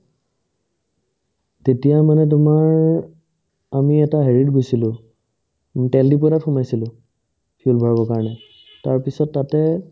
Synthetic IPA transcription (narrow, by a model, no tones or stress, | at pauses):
tetijamanɛt̬ʊmaɹ | amiɛtaɦeɹitɡojsilʊ̃ | tɛldip̬ɔɾatxʊmajsilʊ̃ | pʰiulbʱɔɹabɔkaɹɔnɛ | taɹpisɔtːatɛ